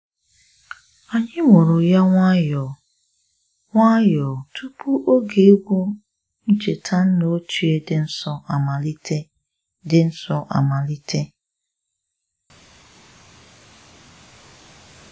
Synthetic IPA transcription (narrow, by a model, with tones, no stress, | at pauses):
a˨ɲɪ˦ŋʷo˨ɾo˨ja˦ŋʷa˦jɔ˨ | ŋʷa˦jɔ˨tʰu˦pʰu˦ʔo˦ɡe˨˦ɡʷo˦ | n̩˦d͡ʒe˨tʰa˦n̩˦no˦o˦t͡ʃu˦e˦dɪ˦n̩˦sɔ˦a˨ma˨li˦te˦ | dɪ˦n̩˦sɔ˦ʔa̰˨ma˨li˦tʰe˦